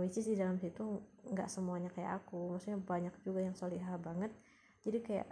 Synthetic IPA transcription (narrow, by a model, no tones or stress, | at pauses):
wit͡ʃɪsdidalamsit̪uŋɡa̰ʔsəmuaɲakaja̰ʔakumaksuk̚ɲabaɲak̚d͡ʒuɡajaŋsoliɦabaŋət̪̚ | d͡ʒadikaja̰ʔ